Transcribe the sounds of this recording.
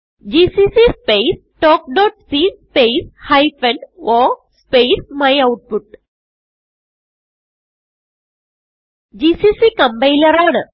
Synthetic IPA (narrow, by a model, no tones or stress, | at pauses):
d͡ʒisisispes | ʈɔːk̚ɖɔːʈsispeːshajfɐ̃ɳɖɔspeːsmajawʈ̚puʈ | d͡ʒiːsisikɐmbɐjlɐɾaːnə